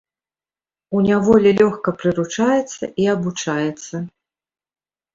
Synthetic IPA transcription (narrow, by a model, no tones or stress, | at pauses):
unʲavɔlʲilʲɔxkɐpɾɨɾut͡ʂajɛt̪sːɐ̰iabut͡ʂajɛt̪sːɐ